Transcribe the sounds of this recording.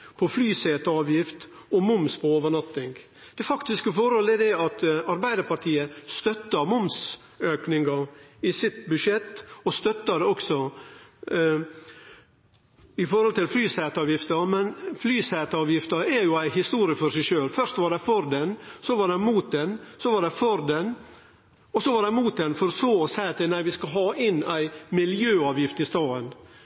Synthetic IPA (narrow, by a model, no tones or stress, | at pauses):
pʰɔflyːseːt̪ɑːʋjɪft̪ | ɔmʊmspʰɔoːʋəɳɑt̪ːɪŋɡ | d̪̥ɛfɑkt̪ɪskəfɔɾhɔlɛd̪ɛɑt̪ɑɾbæɪd̪əɾpɑʈ̪ʰiːəst̪œt̪ːɑmʊms | øːknɪŋɡɑɪsɪt̪bʉʂɛt̪ːɔst̪œt̪ːəd̪ɛɔksɔ | ɪfɔɾhɔlt̪ɪlflyːsɛːt̪ɑːʋjɪft̪əmɛnflyːsæːt̪əɑːʋjɪft̪ɑɛɾjʊæɪɦɪst̪uːɾɪəfɔʂæɪʃøːlfœʂt̪ʋɑɖɛfɔɾd̪ɛnsɔʋɑɖɛmuːt̪̚d̪ɛnsɔʋɑɖɛfɔɾd̪ɛn | ɔsɔʋɑɖ̪ɛmuːt̪̚d̪ɛnfɔɾɔsoːɔsæɪɑt̪ənæɪʋɪskɑɦɑːʔɪnːæɪmɪljøːɑːʋjɪft̪ɪst̪ɑːən